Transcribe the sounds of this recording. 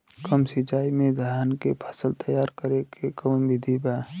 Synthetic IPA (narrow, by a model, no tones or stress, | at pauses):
kəmsɪt͡ʃaːimẽd̪ʱaɦaːnkepʰə̥səlt̪əjaːɾkəɾekʰekəmmʋɪd̪ʱibaː